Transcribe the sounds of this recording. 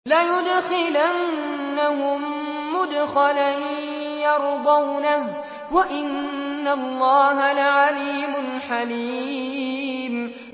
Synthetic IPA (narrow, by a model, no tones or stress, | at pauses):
lajʊd̪xɪlanːahʊmː | ʊd̪xalan | jɑɾd̪ˤɑwnah | waʔɪnːalːɑːɦalaʕaliːmʊnħaliː | m